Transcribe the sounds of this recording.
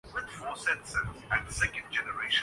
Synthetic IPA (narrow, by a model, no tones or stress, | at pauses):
wɪd̪fɔːsɛtsə̃æʈ̚d̪əsɛkə̃nɖ̚d͡ʒɛnəɾeːʃ